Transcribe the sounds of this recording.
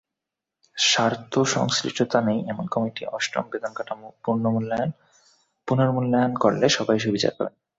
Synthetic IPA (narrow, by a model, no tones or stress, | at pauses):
ʃaɾt̪ʰoʃɔ̰ŋskɾḭʃʈot̪anejɛmonkɔmiʈiɔʃʈo̰mbed̪ʱoŋkaʈamupuɾnomulːaan | punoɾmulːajankoɾleʃɔbajʃ̬ubʱit͡ɕa̰ɾkɔ̰ɾen